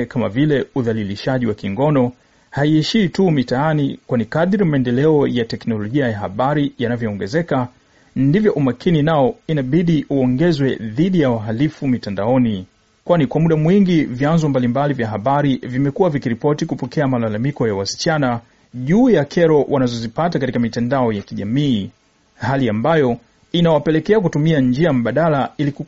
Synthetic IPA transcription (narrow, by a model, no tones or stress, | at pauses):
kama̰vilɛuðaliliʃaʄiwakiŋɡɔnɔ | haiɛʃiːtumitaanikwanikaðiɾimaɛndɛlɛɔjatɛknɔlɔʄiajaɦa̰ɓaɾijanavjɔːŋɡɛzɛka | ndivjɔʔumakʰininaɔinaɓiɗiʔuɔŋɡɛzwɛðiɗijawaɦalifumitandaɔni | kwanikwamuɗamwiŋɡivjanzɔmbalimbalivjaɦaɓaɾivimɛkuwavikiɾipɔtikupɔkʰɛamalalamikɔjawasi̥t͡ʃana | ʄuːjakʰɛɾɔwʔanazɔzipatakatikamitandaɔjakiʄamiː | haliambajɔ | inawapɛlɛkɛak̬utumiand͡ʒiam̩ɓaɗalailiku